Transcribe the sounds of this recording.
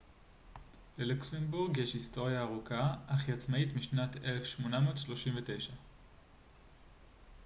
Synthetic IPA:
leluksenbuʁɡjeʃhisto̞ʁjaːʁukaʔaχjat͡smaitmiʃnatʰelefʃmo̞namoːtʃlo̞ʃimvete̞jʃa

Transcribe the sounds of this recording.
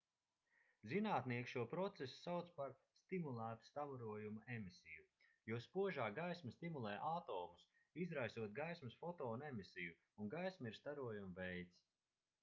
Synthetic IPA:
zinaːt̪niɛkʲʃuɔpɾɔt̪sesu̥sawt̪spaɾst̪imulˠæːt̪u̥st̪avɔɾuɔjumaemisiju | juɔspuɔʒaːɡajsmst̪imulˠɛjʔat̪ɔːmus | izɾajsuɔt̪̚ɡajsmɐsfɔt̪ɔːnɛmisiju | unɡajsmaiɾst̪aɾuɔjumvɛjt̪s

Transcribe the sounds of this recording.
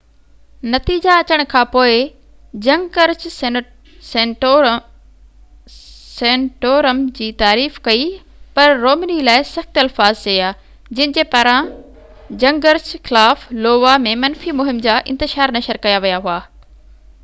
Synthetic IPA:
nɐt̪iːd͡ʑaɐt͡ɕəɽ̃̆kʰãːpoːɪ | d͡ʑɐ̃ŋɡɡəɾd͡ʑ | sẽ | sẽːɳʈoːɾəmd͡ʑiːt̪aːɾiːfkɐi | pɐɾːoːmənilaːɪsɐxt̪ɐlfaːzt͡ɕejaː | d͡ʑɐ̃ɦɪ̃d͡ʑeːpaːɾã | d͡ʑɐ̃ŋɡɡəɾd͡ʑxɪlaːfloːʋamẽmɐnfimʊɦɪmd͡ʑaʔɪ̰̃nt̪ɪʃaːɾnɐʃəɾkɐjaʋijaɦuaː

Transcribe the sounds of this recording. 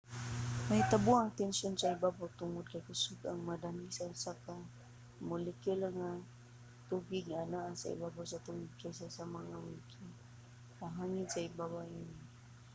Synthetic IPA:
majt̪abuaŋt̪ɛnsonsaibabawt̪ʊŋʊd̚kajkəsuɡa̰ŋmadanisasaka | mʊlɪkolaŋa | t̪ubɪɡ̚ŋaːnaʔasa̰ḭbabawsat̪ʊŋʊd̪̚kʰajsasamaŋamʊiki | kaɦaŋɪdsaibaβaʔini

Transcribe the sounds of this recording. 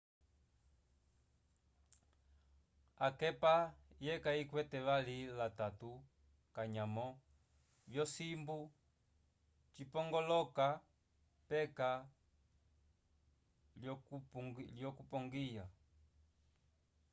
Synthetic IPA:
akɛpajɛkaikwɛtɛβalilatatu | kaɲamɔ | vjɔsimbu | t͡ʃipɔŋɡɔlɔka | pɛka | ljɔkupɔŋɡija

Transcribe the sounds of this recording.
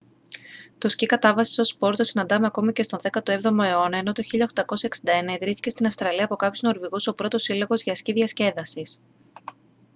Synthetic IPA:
t̪o̞scikɐt̪ɐvɐsi̥so̞spo̞ɾt̪o̞sinɐnd̪ɐmeɐko̞micest̪o̞nðekɐt̪oe̞vðo̞moe̞o̞nɐe̞no̞t̪o̞çiʎɐoxt̪ɐko̞sɐeksind̪ɐenɐiðɾiθi̥ce̞st̪inɐfst̪ɾɐliɐːpo̞kɐpçozno̞ɾviɣuso̞pɾo̞t̪o̞silo̞ɣo̞zʝɐsciðʝɐsce̞ðɐsis

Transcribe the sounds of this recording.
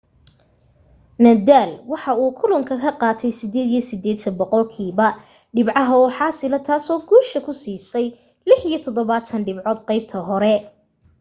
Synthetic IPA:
nɐd̪aːlwɑħɑuːkʰʊlʊŋkʰɐkʰɐqɑːt̪ʰɛjsɪd̪ɛːd̪ijɐsɪd̪ɛːd̪t̪ʰɐnbɔqɔlkʰiːβɐ | ɖɪbʕɑɦɐɔːħɑːsɪlɐt̪ʰaːsɔːɡuːʃɐkʰʊsiːsɛj | lɪħijɞt̪ʰɔðɔβaːt̪ʰɐnɖɪbʕɔːd̪qɑjb̚t̪ʰɐɦɔɾɛ

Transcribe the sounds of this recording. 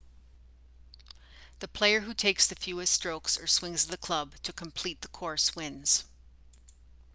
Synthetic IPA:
ðɨpʰl̥eɪə˞ɦʉtʰeɪksðɨfjʉɨstɹ̥oʊksə˞swɪ̃ŋzðɨkʰl̥ʌb̚tʰɨkʰə̃m̩pʰl̥it̪̚ðəkʰɔɹswɪ̃nz̥

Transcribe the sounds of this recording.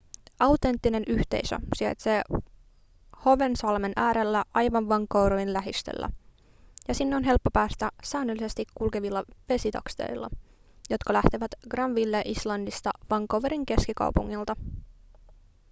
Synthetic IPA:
ʔɑwt̪e̞nt̪ːine̞nyht̪e̞̰isø̰siɑ̰jt̪se̞ː | ho̞ʋensɑlme̞nʔæːɾelːæʔɑjʋɑnʋɑŋkowɾoʋinlæɦist̪ḛlːæ̰ | jɑsinːeo̞nɦe̞lpːo̞pæːst̪æsæːnølːise̞st̪ikːulke̞ʋilːɑʋe̞sit̪ɑ̰kst̪ḛjlːɑ̰jo̞t̪kɑlæht̪eʋæt̪ɡ̥rɑmʋilːeʔislɑndist̪ɑʋɑŋkˑowʋeɾiŋk̟e̞skikɑ̰wpuŋːilt̪ɑ

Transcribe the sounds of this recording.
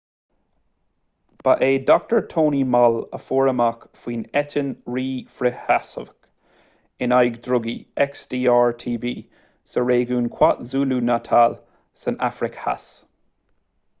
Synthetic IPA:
b̥aʔeːdɔk̚təɹtʰoːnimaləfoːɹəmakfwiːnɛtɪnɹiːfɹɪhasə̰vk | ɪnajɡdɹʊɡḭɛksdiːaːɹtʰiːbiː | səɹeːɡuːnkʰw̥atzuːlunatʰal | sənafɹɪkha̰s

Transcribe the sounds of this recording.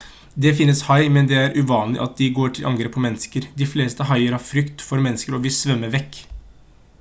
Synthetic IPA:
d̪ɛfɪnːəshɑɪmɛnd̪ɛæɾʔʉʋɑːnlɪ̰ʔɑt̪̚d̪ɪɡoːʈʰɪlʔɑŋɡɾeːpʰːɔmɛnːəskəɾd̪ɪfleːst̪əɦɑɪəɾhɑɾfɾʏkt̪fɔɾmɛnːəskəɾɔʋɪsʋœmːəʋɛkː

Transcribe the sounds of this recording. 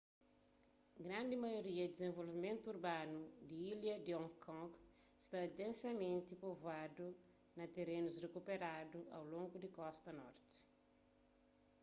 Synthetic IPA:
ɡɾãnd̪imɐjoɾiɐd̪izẽɱvolvimẽnt̪uuɾbanud̪iiljɐd̪iɔ̃ŋkʰɔ̃ŋɡ | st̪ad̪ẽnsɐmẽnt̪ipovad̪u | nɐt̪eɾenuzrekupeɾad̪ua̰wlõŋɡud̪ikɔst̪ɐnɔ̰ɾt̪i̥

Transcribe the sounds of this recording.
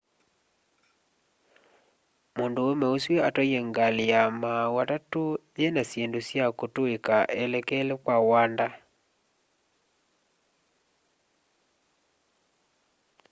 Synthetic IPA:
mondoomɛosweatɔjɛŋɡaliamawatatoðenasjendosjakotoekaʔelɛkɛlekwawanda

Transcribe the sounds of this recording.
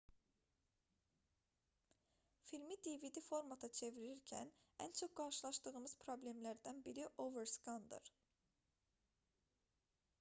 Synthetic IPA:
filʲmid̪evid̪ifo̞ɾmat̪ʰat͡ʃʰe̞vɾiɾiɾcʰæ̰næ̰nt͡ʃʰo̞k̚ɡ̥ɑɾʃɯlˠɑʃt̪ɯɣɯmɯz̥pʰɾo̞blʲemlæɾd̪ænbiɾiʔoveɾskɑnd̪ɯ̰ɾ̥

